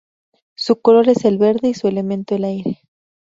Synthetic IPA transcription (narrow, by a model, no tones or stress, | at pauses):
suko̞lo̞ɾe̞se̞lβe̞ɾðe̞isue̞le̞mẽnt̪oelajɾe̞